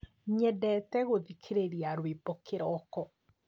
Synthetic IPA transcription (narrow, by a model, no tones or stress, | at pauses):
ɲɛdɛtɛɣoðikʰeɾeɾiaɾwebɔkeɾɔːkɔ